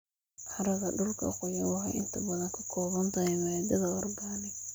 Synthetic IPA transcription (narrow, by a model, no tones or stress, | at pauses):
ħɑɾɐɣɐɖʊlkʰɐ̰qʊjɐwɑɦɑ̰ʔɪnt̪ʰɐbɐðɐŋkʰɐ̥kʰɔːβɐnt̪ʰɐɛmɐɛd̪ɐðɐɔrbanɪ